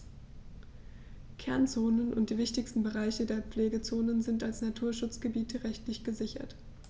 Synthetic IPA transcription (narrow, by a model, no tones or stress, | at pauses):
kʰɛɐnt͡soːnənʔʊntd̥iːvɪçtɪçstn̩bəʁ̞aɪçədeːɐp͡fleːɡət͡soːnənzɪntalsnatʰuːɐʃʊt͡sɡ̥əbiːtʰəʁɛçtlɪçɡ̥əzɪçɐ̰t